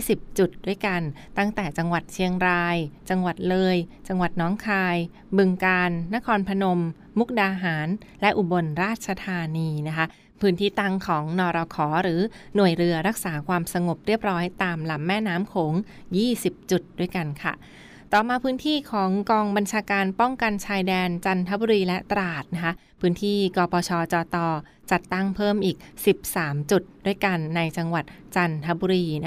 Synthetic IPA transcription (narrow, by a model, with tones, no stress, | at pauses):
si˨˩p̚t͡ɕu˨˩t̪̚du˥˩əjka˧n | t̪a˥˩ŋt̪ɛː˨˩t͡ɕa˧ŋwa˨˩t̪̚t͡ɕʰi˧əŋɾaː˧jt͡ɕa˧ŋwa˨˩t̪̚lɤː˧jt͡ɕa˧ŋwa˨˩t̪̚nɔː˦˥ŋkʰaː˧j | bɯ˧ŋkaː˧nːa˦˥kʰɔː˧npʰa˧no˧mː | u˦˥k̚daː˧ɦaː˩˦nlɛ˦˥ʔu˨˩bo˧nɾaː˥˩t̪̚t͡ɕʰa˧t̪ʰaː˧niː˧na˦˥kʰa˦˥ | pʰɯː˦˥nt̪ʰiː˥˩t̪a˥˩ŋkʰɔː˩˦ŋnɔː˧ɾɔ˧kʰɔː˩˦ɾɯː˩˦nu˨˩əjɾɯ˧ɐɾa˦˥k̚saː˩˦kʰwaː˧msa˧ŋo˨˩p̚ɾi˥˩əp̚ɾɔː˦˥jt̪aː˧mla˩˦mːɛː˥˩naː˦˥mkʰoː˩˦ŋ | jiː˥˩si˨˩p̚t͡ɕu˨˩t̪̚du˥˩əjka˧nkʰa̰˥˩ | t̪ɔː˨˩maː˧pʰɯː˦˥nt̪ʰiː˥˩kʰɔː˩˦ŋkɔː˧ŋba˧nt͡ɕʰaː˧kaː˧npɔ˥˩ŋka˧nt͡ɕʰaː˧jdɛː˧nt͡ɕa˧nt̪ʰa˦˥bu˧ɾiː˧lɛ˦˥ʔt̪ɾaː˨˩t̪̚na˦˥kʰa˦˥ʔ | pʰɯː˦˥nt̪ʰiː˥˩kɔː˧pʰɔː˧t͡ɕʰɔː˧t͡ɕɔː˧t̪ɔː˧ | t͡ɕa˨˩t̪ːa˥˩ŋpʰɤː˥˩mʔiː˨˩k̚si˨˩p̚saː˩˦mt͡ɕu˨˩t̪̚du˥˩əjka˧nːa˧jt͡ɕa˧ŋwa˨˩t̪̚ | t͡ɕa˧nt̪ʰa˦˥bu˧ɾiː˧n˦